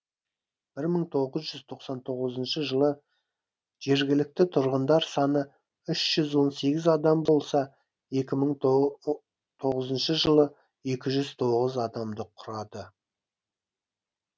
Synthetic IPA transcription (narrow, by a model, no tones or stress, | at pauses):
b̥ɪɾməɴt̪ʰo̞ʁəzʒʏzt̪ʰo̞qsɑnt̪ʰo̞ʁəzənʃəʒəlˠə | ʒ̥e̞ɾɡʲɪlɪk̚t̪ɪt̪ʰʊɾʁənd̪ɑɾsɑnə | ʏʃʒ̥ʏzwo̞nse̞ɡʲɪzɑd̪ɑmbo̞lˠsɑ | e̞kʲɪməɴ | t̪ʰo̞ʁəzənʃəʒəlˠə | e̞kʲɪʒʏz̥t̪ʰo̞ʁəzɑd̪ɑmd̪əqʰʊɾɑd̪ə